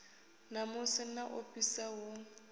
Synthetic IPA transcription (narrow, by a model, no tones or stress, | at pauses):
namʊsɪnaʔofisawo